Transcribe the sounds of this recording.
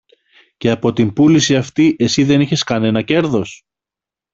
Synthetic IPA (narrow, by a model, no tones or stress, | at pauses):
ce̞ɐpo̞t̪imbulisiɐft̪iʔe̞siðe̞niçe̞skɐne̞nɐce̞ɾðo̞s